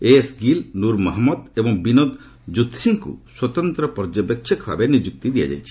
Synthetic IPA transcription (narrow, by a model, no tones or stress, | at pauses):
esɡilnuɾmɔɦmɔd̪ebɔŋbinod̪ | d͡ʒut̪siŋkṵswɔt̪ɔnt̪ɾɔpɔɾd͡ʒɔbekʃʰɔkbʱa̰benid͡ʒuk̚t̪id̪ija̰d͡ʒa̰jt͡ʃʰi̥